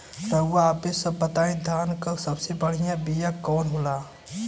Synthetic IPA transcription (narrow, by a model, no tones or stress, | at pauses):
ɾɐɦʊʋaːpesɐbːɐt̪aːĩd̪ʱaːnkɐɾsɐbsebɐɽ̤ijãbijakɔːnɦoːlaː